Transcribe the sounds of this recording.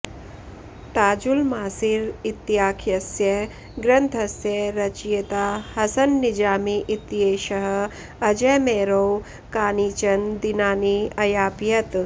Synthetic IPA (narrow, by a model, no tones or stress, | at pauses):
t̪aːd͡ʒulmaːsiɾit̪ːijaːkʰjɐsjɐ | ɡɾɐnt̪ʰɐsjɐɾɐt͡ʃijɐt̪aːhɐsɐnːid͡ʒaːmiʔit̪jeːʃɐɦ | ɐd͡ʒemeːɾow | kaːniːt͡ʃɐnd̪inaːniɐjaːpjɐt̪